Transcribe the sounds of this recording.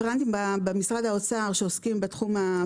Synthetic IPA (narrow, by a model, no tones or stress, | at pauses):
ʁant̪imbabemisʁad̪hao̞t͡saʁʃeoskimbetχuma